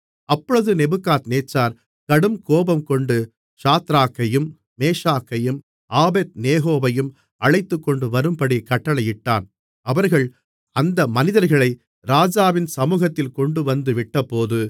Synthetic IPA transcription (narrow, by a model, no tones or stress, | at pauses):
ɐpːɔɻɯðɯnɛbɯkːaːt̪neːt͡ʃːaːɾ | kɐɽɯmkoːbɐmkɔɳɖɯ | ʂaːt̪ɾaːkːɐjɯmː | eːʂaːkːɐjɯm | ʔaːbeːt̪̚neːɦoːʋɐjɯm | ɐɭɐɪt̪ːɯkːɔɳɖɯʋɐɾɯmpɐɽikɐʈːɐɭɐjɪʈːaːn | ɐʋɐɾɣɐɭ | ɐnd̪ɐmɐnɪðɐɾɣɐɭɐɪ | ɾaːd͡ʒaːʋɪnsɐmuːɣɐt̪ːɪlkɔɳɖɯʋɐnd̪ɯʋɪʈːɐpːoːðɯ